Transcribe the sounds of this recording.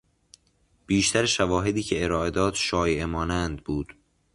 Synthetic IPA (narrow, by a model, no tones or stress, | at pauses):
b̥iːʃt̪ʰæɾeʃævɒːɦe̞d̪iːcʰe̞eɾɒːʔed̪ɒːd̪̥ʃɒːjemɒːnænd̪̚buːd̪̥